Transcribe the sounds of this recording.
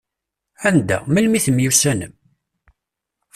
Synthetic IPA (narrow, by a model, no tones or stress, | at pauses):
ænd̪æ̰məlmiθəmjusænəm